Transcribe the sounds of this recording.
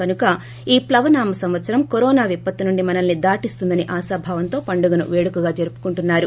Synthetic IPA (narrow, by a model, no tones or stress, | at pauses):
kɐnukɐ | iːplɐʋɐnaːmɐsɐmʋɐt̪sɐɾɐmkoɾɔːnaːʋipːɐt̪ːinuɳɖimɐnɐnːid̪aːʈist̪und̪ɐniʔaːsaːbʱaːʋɐnt̪o̞ːpɐɳɖuɡɐnṵʋeːɽukuɡaːd͡ʒeɾupu̥kuɳʈunːaːɾu